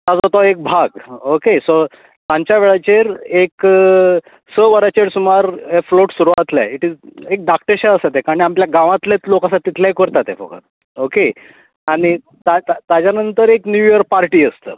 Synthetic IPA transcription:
t̪ad͡zɦot̪aek̚bʱaɡokeso | t̪ãɲt͡ɕjaʋeɭat͡ɕeɾek | səʋəɾat͡ɕeɽsumaɾefloʈsuɾuʋat̪la̰iʈid͡zek̚d̪ak̚ʈəɾɕaəsat̪ekaɾniampljaɡãʋãt̪ljat͡slokãsat̪ːit̪ʰlaɦikəɾt̪at̪ḛ̃fə̰ɡə̰ɾ | oke | aɽ̃i | t̪at̪ad͡ʑjanənt̪əɾeknjujəɾpaɾʈiːəst̪əː

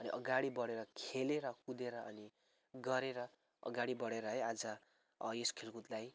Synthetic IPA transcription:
ʌniʔʌɡaɽibʌɽeɾʌkʰeleɾʌkud̪eɾʌʌni | ɡʌɾeɾʌ | ʌ̰ɡaɽibʌɽeɾʌɦʌjad͡zʌ | jeskʰelkut̪laj

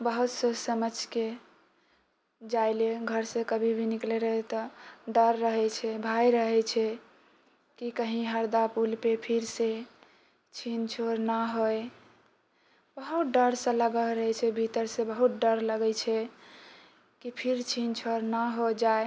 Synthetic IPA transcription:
bəɦut̪sosəməd͡ʒke | d͡ʒajleɡʱəɾsẽkəbʱibʱinikleɾəɦet̪ɔɖəɾːəɦɛt͡ʃʰɛbʱajɾəɦɛt͡ʃʰɛ | kikəɦĩɦəɾd̪apulpepʰiɾse | t͡ʃʰint͡ʃʰoɾnaɦoj | bəɦut̪̚ɖəɾsə̃ləɡəɾəɦɛt͡ʃʰɛbʱit̪əɾsẽbəɦut̪̚ɖəɾləɡət͡ʃʰɛ | kipʰiɾt͡ʃʰint͡ʃʰoɾnaɦod͡ʒae

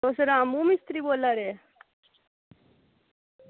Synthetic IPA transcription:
ɔsɾamuːmist̪ɾiːbolaɾe

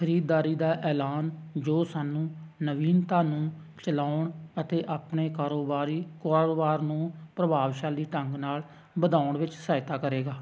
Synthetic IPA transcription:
kʰəɾiːd̪ːaːɾiːd̪aːʔɛːlaːnd͡ʒoːsaːnũː | nəʋiːnt̪aːnũː | t͡ʃəlaːʊɳət̪eːʔaːpneːkaːɾoːbaːɾiːkaːɾoːbaːɾnũːpɾəbaːʋʃaːliːʈəŋɡnaːl | bəd̪aːʊɳʋɪt͡ʃsaːɪt̪aːkəɾeːɡaː

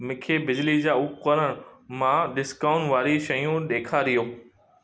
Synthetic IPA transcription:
mɪkʰebɪd͡ʑlid͡ʑaːʊkəɾəɽ̃mãɗɪskaːʊ̃nʋaːɾiʃɐjũɗ̪eːkʰaɾijoː

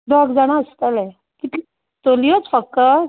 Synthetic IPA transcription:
d̪ɔɡd͡zaɽ̃ast̪əlɛ | kit̪li | t̪olijot͡sfəkːə

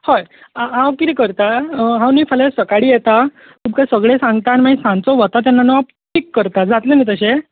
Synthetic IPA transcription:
hojɦãwkit̪ikəɾt̪aɦãwniːfʰəlesəkaɽiːjet̪a | kʰub̚kajsəɡɭesãŋɡt̪añimaisãnt͡sɔʋət̪at̪̬janːanəap̚ | ʈʰikːəɾt̪ad͡zat̪lenet̪əɕe

